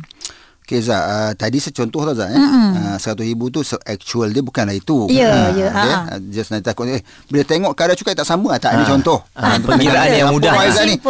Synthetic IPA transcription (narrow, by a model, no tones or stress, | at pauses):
okezaət̪adisət͡ʃɔnt̪ɔht̪aza̰ʔnəsəkat̪ʊhibut̪usoʔɛk̚t͡ʃuəldəbukanlahit̪ujjəəḛd͡ʒasnat̪akʊʔeh | bələt̪eŋɔʔkadat͡ʃukaʔt̪aʔsamə̃at̪aʔnĩt͡ʃɔnt̪ɔhnt̪uəiɾaanaamudaaizaʔni